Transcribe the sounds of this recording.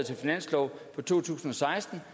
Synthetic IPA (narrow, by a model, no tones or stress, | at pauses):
t͡sʰe̝lfinæn̰slɒʊpʰɒ̽t͡sʰo̝̰ːt͡sʰṵːsn̩ɒ̽sɑ̈ɪsd̥n̩